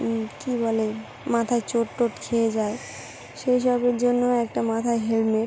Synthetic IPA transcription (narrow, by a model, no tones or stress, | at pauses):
kibɔle | mat̪ʰaet͡ɕoʈːoʈkʰeed͡ʑae | ʃejʃ̬ɔbeɾd͡ʑonːoɛk̚ʈamat̪ʰaeɦelmeʈ